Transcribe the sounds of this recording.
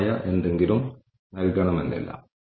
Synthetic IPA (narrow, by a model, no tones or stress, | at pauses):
jɐʔe̞nd̪e̞ŋɡilum | nɐlɡɐɳɐmend̪ḭlːɐ̰